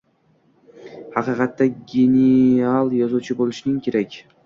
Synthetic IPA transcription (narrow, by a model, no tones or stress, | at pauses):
hɑqiːqɑt̪ːaɡʲenialˠjɒzuːt͡ʃʰubolˠuʃɪnɪŋkʲʰeɾekʲ